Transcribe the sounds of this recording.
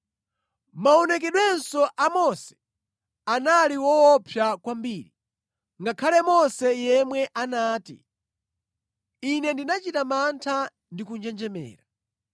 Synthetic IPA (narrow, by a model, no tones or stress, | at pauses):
maɔnɛk̬ɛɗwɛnsɔʔamɔsɛ̥ | analiwɔwɔpʰjakwambiːɾi | ŋɡakʰalɛmɔsɛjɛmwɛʔanaːtḭ | inɛndinat͡ʃitamantʰa | ndikund͡ʒɛnd͡ʒɛmɛ̰ːɾa